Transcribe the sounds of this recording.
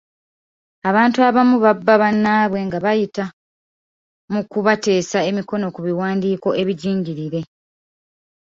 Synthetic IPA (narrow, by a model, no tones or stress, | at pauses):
aβaːntuaβamuβabːaβanːaːβwe̞ŋɡaβajita | mukuβate̞ːsae̞miko̞no̞kuβiwaːndiːko̞e̞βiɟiːɲɟiɾiɾe̞